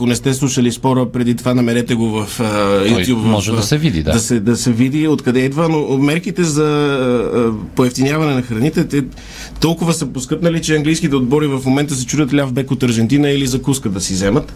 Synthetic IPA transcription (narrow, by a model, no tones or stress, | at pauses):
konɛst̪ɛslˠuʃəlispɔɾəpɾɛd̪it̪ovanɐmɛɾɛt̪ɛɡovɐfəjut̪jupvmɔʒɛɐsɛvid̪ḭd̪daɐsɛd̪ɐsɛvid̪iot̪kɐd̪ɛid̪vənomɛɾkit̪ɛzɐ | poɛft̪inʲjavɐnɛnɐxɾɐnit̪ɛt̪ɛ | t̪ɔlˠkʊvəsəposkɤpnəlit͡ʃɛɐŋɡlijskit̪ɛod̪̚bɔɾivɐfmomɛnt̪əs̬ɛt͡ʃud̪ʲət̪lʲafbɛkot̪ɐɾʒɛnt̪inəilizɐkuskəd̪ɐsizɛmət̪